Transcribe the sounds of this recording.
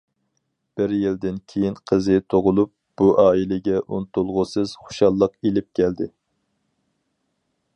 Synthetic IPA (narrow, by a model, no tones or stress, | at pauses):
b̥ɪɾjild̪ɪnkʲʰejinqʰəzɨt̪ʰoʁʊlˠup̚b̥uʔɑːilɪɡʲɛʔunt̪ulˠʁʊsɨz̥χo̥ʃɑlˠːəqilɪp̚kʲʰɛld̪ɪ